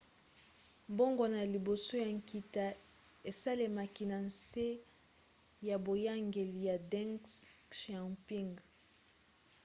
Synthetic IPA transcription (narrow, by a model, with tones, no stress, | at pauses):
mbo˦ŋɡo˦na˨li˨bo˨so˦ja˨ŋ˨ki˨ta˨ | e˨sa˦le˨ma˨ki˨na˨nse˦ | ja˨bo˨ja˦ŋɡe˨li˨ja˨dɛ˦ŋsʃa˨mpi˦ŋɡ